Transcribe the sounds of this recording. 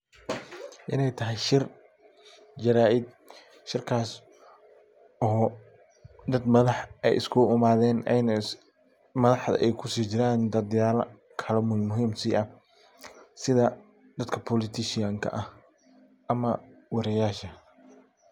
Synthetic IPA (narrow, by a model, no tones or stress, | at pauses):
ʔɪnɛjt̪ʰɐɦɛjʃɪr | d͡ʒɐɾaːʔɪd̪̚ | ʃɪrkʰaːs | ʔɔː | d̪ɐd̪mɐðɑħʔɛ̰jɪ̰skʰʊʊmaːðɛːnɛn | mɐðɑħðɐ̰ʔɛjkʰʊsiːt͡ʃɪɾaːnd̪ɐd̪jaːlɐ̰ | kʰɐlɛmmʊɦiːmsiːʔɐ | sɪðɐ | d̪ɐd̪kʰɐpʰɔlɪt̪ʰɪʃɪjaːŋkʰɐ̰ʔɐh | ʔɐmɐwɐɾɛjaːʃɐ